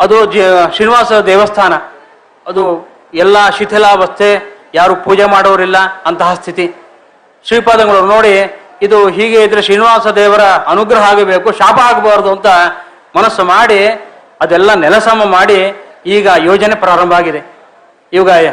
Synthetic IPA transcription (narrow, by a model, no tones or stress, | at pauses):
ɐd̪ud͡ʒʃɾiːniʋaːsɐɐd̪ɛːʋɐst̪ʰaːnɐ | ɐd̪u | ɛlːɐʃit̪ʰɛlaːʋɐst̪ʰejaːɾupuːd͡ʒemaːɽɔʋɐɾilːɐɐnt̪ɐɦɐst̪ʰit̪i | sipaːd̪ɐŋɡɐɭɐno̞ːɽi | id̪uɦiːɡeːid̪ɐɾeʃɾiːniʋaːsɐd̪ɛːʋɐɾɐɐnuɡɾɐɦɐaːɡebeːkuʃaːpɐaːɡbaːɾd̪uɐnt̪ɐ | mɐnɐsːumaːɽi | ɐd̪ɛlːɐnɛlɐsɐmɐmaːɽiiːɡɐjoːd͡ʒɐne̞pɾaːɾɐmbʱaːɡid̪e̞ | iʋɐɡɐ